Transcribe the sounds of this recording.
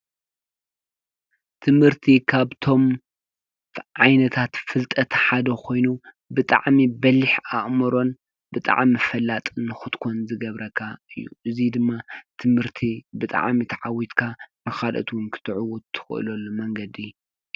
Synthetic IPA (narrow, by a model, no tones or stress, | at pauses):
t̪ʰɨmhɨɾt̪ʰikʰaβt̪ʰo̞m | ʕajnɐt̪ʰat̪fɨlt̪ʼɐt̪ħad̪ɐkʰo̞jnu | bɨt̪ʼa̰ʕmibɐlːɪħaʔmɨɾo̞n | bɨt̪ʼa̰ʕmifɐlːat̪ʼnɨxɨt̪kʰonzɨɡɐβɾʔɐkʰaɨjːṵʔɨzid̪ɨmːat̪ʰɨmhɨɾt̪ʰibɨt̪ʼa̰ʕmit̪ʰaʕawit̪kʰanɨxalʔɐ̰t̪wʊnkʰɨ̥t̪ʰɨʕʊwut̪ʰːɨ̥xɨ̰ʔɨ̰lɐlːumɐŋɡɐd̪i